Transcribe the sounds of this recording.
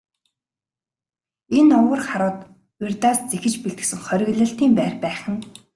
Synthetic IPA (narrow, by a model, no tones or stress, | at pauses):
enʊwə̆rχaɾʊːt̪ | erʲt̪aːst͡sexɘ̆t͡ɕpeɮt̪ɘ̥̆sɘ̆ŋχœɾʲɪ̆ɣɮə̆ɬt̪iːmpæːrpæːχə̆n